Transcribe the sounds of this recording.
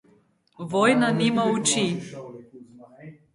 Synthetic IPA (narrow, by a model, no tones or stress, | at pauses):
vojnanimaut͡ʃi